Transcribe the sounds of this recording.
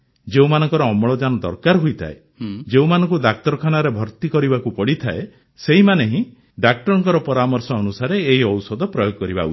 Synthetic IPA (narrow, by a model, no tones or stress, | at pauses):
d͡ʒeũmanɔŋkɔɾɔːmɔɭɔd͡ʒanɔd̪ɔ̰ɾkaɾɦojt̪ʰa̰e | d͡ʒeũmanɔ̃ŋkud̪ak̚t̪ɔɾɔkʰanaɾebʱɔɾt̪ikɔɾibakupɔɽit̪ʰa̰e | seɦimaneɦĩ | ɖak̚ʈɔɾɔŋkɔɾɔpɔɾamɔɾsɔːnusaɾeːɦiɔwsɔd̪ɔpɾɔjoɡɔkɔɾiba̰ṵi̥